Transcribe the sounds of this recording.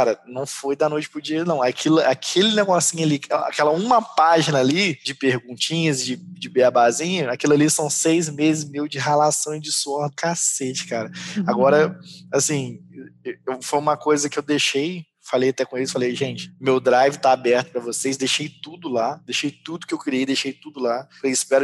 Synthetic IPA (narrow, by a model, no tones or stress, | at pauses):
kaɾɐnɐ̃w̃fojd̪ɐnojt͡ʃɪpɾʊd͡ʒiɐnɐ̃w̃akʰilɐakʰelɪneɡɔsĩɲʊaliɛa̰kɛlɐũmɐpaʒinɐːlid͡ʒɪpehɡũnt͡ʃĩɲɐzd͡ʒɪd͡ʒɪbeabazĩɲɐakilɐlisɐ̃w̃sejzmezɪzmewd͡ʒɪɦalasɐ̃j̃zd͡ʒɪsuɔhd̪ʊkaset͡ʃɪ̥kaɾɐaɡɔɾɐasĩ | ewfojũmɐkojzɐkɪewd̪eʃej | falejat̪ɛkõelʊɪfalejʒẽnt͡ʃɪ̥mewd̪ɾajvɪt̪aabɛɾt̪ʊ̥pɾɐvoseszd̪ejʃejt̪ud̪ʊlad̪eʃejt̪ud̪ʊkɪewkɾiejd̪eʃejt̪ud̪ʊlapɾɐɪspɛɾʊ